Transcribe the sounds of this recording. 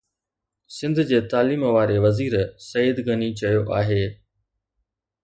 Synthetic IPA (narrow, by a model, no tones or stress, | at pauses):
sɪ̃nd̪ʱd͡ʑeːt̪aːliːmʋaːɾeʋɐziːɾsɐjəd̪ɡɐnit͡ɕɐjoʔaːɦeː